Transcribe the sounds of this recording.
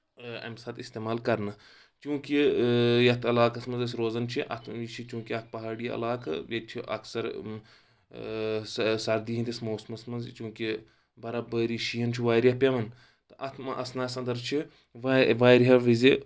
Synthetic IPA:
ɐ̰msaːt̪ist̪eːmaːlkɐɾnɨ | t͡ʃũːkijɐt̪ʰɐlaːkɐsmɐnzɐs̬ʲiɾoːzɐnt͡ʃʰiʔɐ̰t̪ʰt͡ʃʰit͡ʃũːkiɐt̪̚ʰpɐɦaːɽiɐ̰laːkɐ̰jet͡ʃʰiʔɐ̰ksɐɾ | ssɐɾd̪iɦint̪ʲismoːsmɐsmɐnzt͡ʃũːki | bɐɾabəːɾiʃijɐnt͡ʃʰiʋaːjɾʲjɐpʲeʋɐn | t̪ɨʔɐt̪ʰmɐʔɐsnaːsɐ̃nd̪ɐɾt͡ʃʰi | ʋʋaːjɾiɦɐʋizi

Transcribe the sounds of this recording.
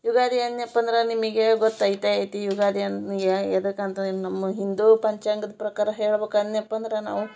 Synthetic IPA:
juɡaːd̪iɐnjɐpːɐnd̪ɾɐnimiɡeɡot̪ːɐjit̪aejt̪ijuɡaːd̪ijɐnɡeɐd̪ɐkːɐnt̪ɐnɐmːɐɦind̪upɐɲt͡ʃaŋɡɐd̪ɐpɾɐkaːɾɐɦeːɭbeːkɐd̪njɐpːɐnd̪ɾena̰ːʋu

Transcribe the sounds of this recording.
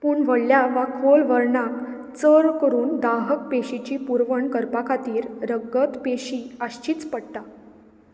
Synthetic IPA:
puːɳʋəɽljaʋakʰolʋəɾɳak | t͡səɾkəɾuːnd̪aɦək̚peɕit͡ɕiːpuɾʋəɳkəɾpakʰat̪iːɾɾəɡət̪peɕiəɕt͡ɕiːt͡spəɽt̪a

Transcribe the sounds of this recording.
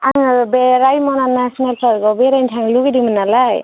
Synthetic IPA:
aŋbeɾajmɔnanasɔnalpʰaɾɡɔbeɾajntʰaŋluɡidimanalaj

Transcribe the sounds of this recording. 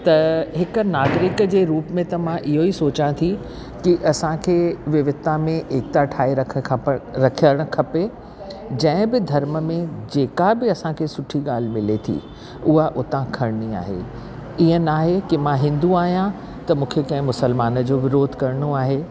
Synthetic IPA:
t̪ɐɦɪkʊ̆naːɡɾɪkd͡ʑeːɾuːpmẽt̪ɐmãʔɪɦoisoːt͡ɕãt̪ʰi | kiʔɐsãkʰeːʋɪʋɪt̪amẽʔeːk̚t̪aʈʰaːiɾɐkʰɾɐkʰijəɽ̃̆kʰɐpe | d͡ʑɐ̃ɪ̃bɪd̪ʱɐɾməmẽd͡ʑeːkabɪɐsãkʰeːsʊʈʰiɠaːl̤ɪmɪlet̪ʰḭ | ʊɦaʔʊt̪ãkʰɐɽnia̰ːɦḛ | iɦə̃naːɦekɪmãɦɪ̃nd̪uaːɦijã | t̪ɐmũːkʰekɐ̃ɦɪ̃mʊsəlmaːnə̆d͡ʑoːʋɪɾoːd̪ʱkɐɾɽ̃oaːɦeː

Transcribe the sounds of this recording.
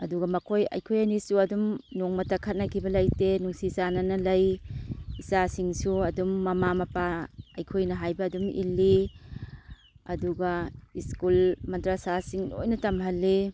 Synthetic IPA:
ɐduɡɐmɐkʰojɐ̰jkʰojɐnisuɐdumnoŋmɐtɐkʰɐt̚nɐkʰibɐlɐjtenuŋsisanɐnɐlɐj | isasiŋsuɐdumːɐmamɐpaɐ̰jkʰojnɐɦajbɐːdumḭlːi | ɐduɡaiskulmɐntɾasasiŋlo̰jnɐtɐmɦɐlːi

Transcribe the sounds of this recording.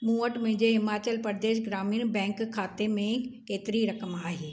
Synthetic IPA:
mũːəʈmʊ̃ɦɪ̃ɲd͡ʑeɦɪmaːt͡ɕəlpəɾd̪eːʃ̬ɡɾaːmiːñbɛ̃ːŋkkʰːaːt̪emẽkeːt̪ɪɾiɾɐkəmaːɦeː

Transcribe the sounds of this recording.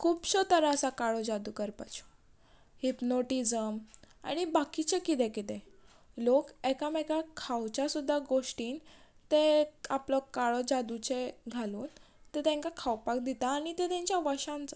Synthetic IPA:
kʰuːbɕɔt̪əɾaəsakaɭɔd͡ʑad̪ukəɾpat͡ɕu̥ | hipnoʈid͡zəm | a̰ɽ̃ibakit͡ɕekit̪̬ɛ̃kit̪ɛ̃ | lokɛkamɛkakʰawt͡ɕasud̪ʱːaɡoʂʈiːn | t̪eaplɔkaɭɔd͡ʑad̪ut͡ɕeɡʱaluːn | t̪ɛt̪ɛ̃ŋkakʰawpak̚d̪it̪aːɽ̃it̪ɛt̪ɛ̃ɲt͡ɕjaʋəɕãnt͡s

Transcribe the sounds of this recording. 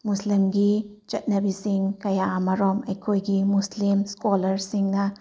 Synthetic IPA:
muslimɡit͡ʃɐt̚nɐbisiŋkɐjaamɐɾɔmɐjkʰojɡimuslimskɔlɐɾsiŋnɐ

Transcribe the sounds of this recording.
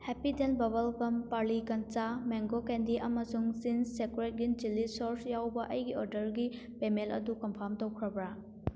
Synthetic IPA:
hɛpidenbɐβɐlkɐmpaɾlikɐnt͡ʃameŋɡokendiʔɐmɐsuŋsinsekɾet̚ɡind͡ʒilisoɾsjawbɐʔɐjɡiɔɾdɐɾɡi | pemelɐ̰dukɐmpʰɐmtowkʰɾɐbɾa

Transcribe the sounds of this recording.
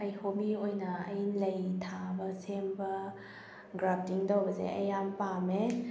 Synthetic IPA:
ɐjhomiojnɐɐjlɐjtʰabɐsembɐ | ɡɾap̚tiŋdawbɐsḛʔɐ̰jampame

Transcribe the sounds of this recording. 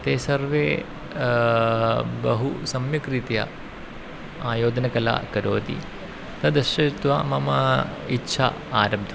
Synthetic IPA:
t̪eːsɐɾʋeː | bɐɦusɐmjɐkɾit̪jɐ̰ | aːjoːd̪ɐnɐkɐla̰ːkɐɾoːd̪ḭ | t̪ɐd̪ɐʃɐt̪ʋɐmɐmɐitːʃʰa̰ | aːɾɐb̚d̪ʰʱɐ

